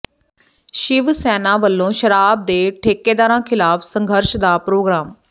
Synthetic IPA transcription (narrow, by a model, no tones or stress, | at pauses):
ʃɪʋsɛːnãːʋəlːõːʃəɾaːb̚d̪eːʈʰeːkːeːd̪aːɾãːkʰɪlaːfsə̃ŋɡʱəɾʃd̪aːpɾoːɡɾaːm